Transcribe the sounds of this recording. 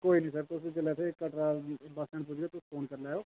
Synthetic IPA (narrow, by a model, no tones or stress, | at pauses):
koːiːnĩːsəɾt̪ʊsĩːd͡ʒelɛːt̪ʰekəʈɾaːbəsɛ̃ɳpʊd͡ʒɡeːt̪ʊsːpʰoːnkəɾlɛːoː